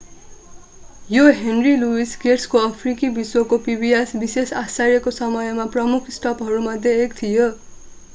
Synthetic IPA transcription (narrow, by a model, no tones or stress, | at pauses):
joɦenriluiskerskoʌpʰrikibiswokopibijasbisesasaɾjʌkosʌmʌjmaprʌmukʰsʈʌpɦʌɾumʌd̪ʱjeːkt̪ʰijo